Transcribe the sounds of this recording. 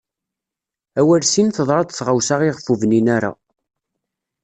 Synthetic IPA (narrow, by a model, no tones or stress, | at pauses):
æwæɾsinθəðˤɾˤɑd̪θʁawsaʁiʁfuvninæɾa̰